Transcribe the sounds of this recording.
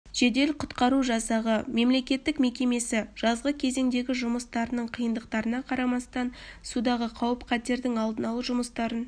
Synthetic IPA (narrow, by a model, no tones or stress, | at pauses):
ʒ̥e̞d̪e̞lqʰʊt̪qɑɾuʒɑsɑʁəme̞mle̞kʲe̞t̪ːɪkme̞kʲe̞me̞sɪʒ̥ɑzʁəkʲʰe̞ze̞ŋd̪e̞ɡʲɪʒʊməst̪ɑɾənəɴqʰijənd̪əqt̪ɑɾənɑqʰɑɾɑmɑst̪ɑnsud̪ɑʁəqʰɑwəpqʰæt̪e̞ɾd̪ɪŋɑlˠd̪ənɑlˠəʒʊməst̪ɑɾən